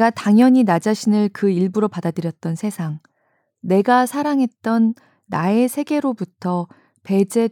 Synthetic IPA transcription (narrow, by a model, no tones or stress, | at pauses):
ɡataŋjʌɲinad͡ʑaɕʰinɯɭkɯiɭbuɾopadadɯɾjʌt̚t͈ʌnsʰe̞sʰaŋ | ne̞ɡasʰaɾaŋɦe̞t̚t͈ʌnː | ae̞sʰe̞ɡe̞ɾobutʰʌ | pe̞d͡ʑe̞